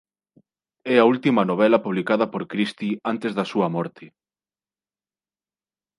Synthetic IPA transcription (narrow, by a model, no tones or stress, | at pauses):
ɛɐult̪imɐnoβ̞ɛlɐpuβ̞likaðɐpoɾkɾist̪iant̪ezðɐsuɐmɔɾt̪ɪ